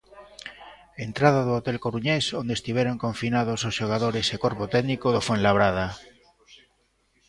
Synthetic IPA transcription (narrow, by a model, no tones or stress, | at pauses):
ent̪ɾað̞aðoot̪elkoɾuɲesond̪est̪iβjeɾoŋkoɱfinað̞ososʃoɣ̞aðoɾesekoɾpot̪ɛðnikoðofenlaβɾaða